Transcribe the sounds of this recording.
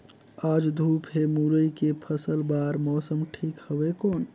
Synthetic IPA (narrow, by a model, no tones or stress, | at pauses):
ad͡ʒd̪ʱupɦemuɾəjkepʰəsəlbaɾmɔsəmʈʰikhəbekon